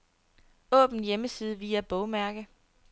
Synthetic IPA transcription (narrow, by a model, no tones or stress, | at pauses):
ɔ̰̽ːb̥n̩jeməsiːð̞ˠəʋiːæb̥ɔ̽ʊmæɐɡ̥ə